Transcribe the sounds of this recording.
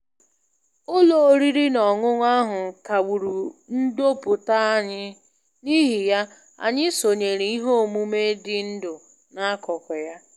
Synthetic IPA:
o˦lo˨˦ɾi˦ɾi˦nɔ˨ŋʊ˦ŋʷ˦a˦ɦʊ˨ka˨ɡ͡bu˨ɾu˨n̩˦do˦pʊ˨ta˦a˦ɲɪ˦ | ni˦ɦi˨ja˦ | a̰˨ɲɪ˦so˨ɲe˨ɾi˨˦i˦ɦo˦˨mu˦me˦dɪ˦n̩˦dʊ˨ | na˦kɔ˨kʷɔ˨ja˦

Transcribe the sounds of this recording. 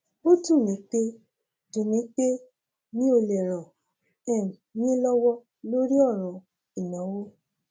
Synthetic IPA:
o˦tũ˦˨nĩ˨˦k͡pe˦ | tũ˨nĩ˨˦k͡pe˦ | nĩ˦o˧lɛ˨ɾɔ˨ | ɛ˦˨m˨jĩ˦lɔ˦wɔ˦ | lo˦ɾi˦ɔ˦˨ɾ̃ũ˧ | i˨nɔ̃˨˦wo˦

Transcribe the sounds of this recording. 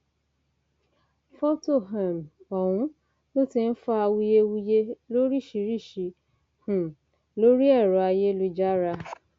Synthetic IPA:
fɔ˦to˦˨ɦa˨mɔ˨w̃ũ˦ | lo˦ti˧n̩˦fɔ˦a˧wu˧je˧wu˧je˦lo˦ɾi˦˨ʃi˨˧ɾi˦˨ʃi˧ | h̩˨ | lo˦ɾi˦ɛ˦˨ɾɔ˨a˧je˦lu˧d͡ʒa˦ɾa˧

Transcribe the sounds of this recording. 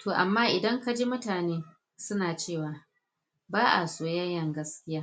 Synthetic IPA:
tʰoː˨ʔa˨mːaː˦ʔɪ˨dɐ˦ŋka˦d͡ʒi˦mʊ˦taː˨neː˦ | sʊ˦naː˨t͡ʃeː˦˨waː˨˦ | baː˦ʔa̰˨soː˨jɐ˦jːɐ˨ŋɡɐ˦skʲɪ˦jaː˦

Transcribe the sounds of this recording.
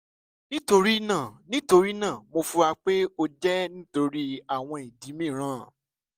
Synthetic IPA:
nĩ˦to˧ɾi˦nãː˦˨nĩ˦to˧ɾi˦nãː˦˨mo˧fu˧a˧k͡pe˦o˧d͡ʒɛ˦nĩ˦to˧ɾi˦a˦˨w̃ɔ̃˧i˨di˨˦mĩ˦˨ɾ̃ãː˨˦˨

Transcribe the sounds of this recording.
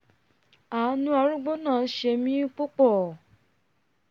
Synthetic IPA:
a˨˦nũ˦a˧ɾũ˦ɡ͡bo˦nãː˦˨˦ʃe˧mĩ˦k͡po˦k͡pɔ˦˨

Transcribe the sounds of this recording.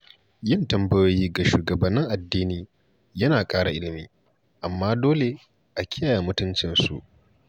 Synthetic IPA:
jɪ˦˨ntɐ˦mbɐ˦joː˦jiː˦ɡa˨ʃuː˨ɡɐ˨bɐ˨nːɪ˦ŋʔa˨dːiː˦niː˦ | jɐ˦naː˨kʼaː˦ɽa̰˨ʔɪ˦lɪ˨miː˦ | ʔa˨mːaː˦doː˦le˨ | ʔa˨kʲɪ˦jaː˨jaː˨mʊ˦tʊ˦nt͡ʃɪ˨nsṵ˨ʔ

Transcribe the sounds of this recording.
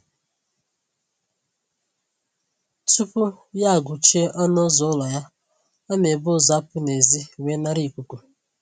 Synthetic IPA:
tu˦pʊ˦ja˦a˨ɡʊ˨t͡ʃe˦ʔɔ˦nʊ˦zɔ˨˦lɔ˨ja˦ | ɔ˦me˨bʊ˦˨za˦pʊ˦ne˨zi˦wʷe˦na˦ɾi˦˨kʷu˨ku˨

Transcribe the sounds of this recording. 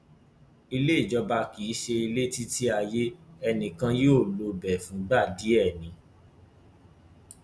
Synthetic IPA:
i˧le˦i˦˨d͡ʒɔ˨˧ba˧ki˨i˨˦ʃe˧i˧le˦ti˦ti˦a˧je˦ɛ˧nĩ˨kã˧joː˦˨lo˧bɛ˨fũ˨˦ɡ͡ba˦˨di˨˦ɛ˦˨nĩ˨˦

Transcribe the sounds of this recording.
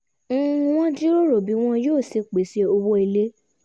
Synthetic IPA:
w̃ɔ̃˦di˦o˦ɾo˨bi˨˦w̃ɔ̃˦joː˦˨se˧k͡pe˨se˧˦o˧wo˦i˧le˦

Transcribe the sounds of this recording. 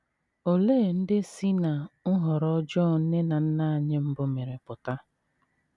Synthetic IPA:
o˨leː˦˨n̩˦dɪ˦si˦na˨ŋʊ˦ɦɔ˨ɾɔ˦d͡ʒɔ˦˨n̩˦ne˦na˨n̩˦na˦˨a˨ɲɪ˦m̩˦bʊ˦me˨ɾe˨pʊ˨ta˦

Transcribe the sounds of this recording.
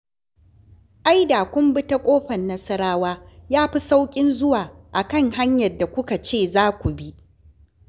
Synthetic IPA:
ʔa˦jdaː˨kʷʊ˦mbɪ˦ta˦kʷʼoː˦ɸɐ˨nːɐ˦sɐ˦ɾaː˦waː˦jaː˦ɸi˦sa˦wkʲʼɪ˦nzʊ˦waː˨ʔa˨kɐ˦ŋha˦ɲjɐ˨rda˨kʷʊ˦ka˨t͡ʃeː˦˨zaː˦kʷu˨bi˦ʔ

